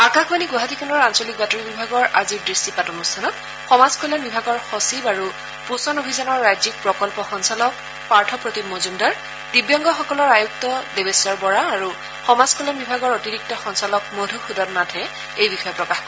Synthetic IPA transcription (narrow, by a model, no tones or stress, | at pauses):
akaxbaniɡwaɦatikʰanɔɹansolik̚batoɹibibʱaɡɔɹʔaziɹdɹistipatɔmustʰanɔk̚ | xɔmazkʰɔlanbibʱaɡɔɹxɔsibaɹu | pusɔnobʱizanɔɹːajzik̚pɹɔkɔlpɔxɔnsalɔk̚ | paɹtʰɔpɹotimozundaɹ | d̥ibjɔŋɡɔxɔkɔlɔɹajuk̚tɔdebesɔɹbɔɹaːɹu | xɔmazkʰɔlanbibʱaɡɔɹotiɹik̚tɔxɔnsalɔkmodʱuxudɔdnatʰɛ | ejbixɔjɔpɹɔkax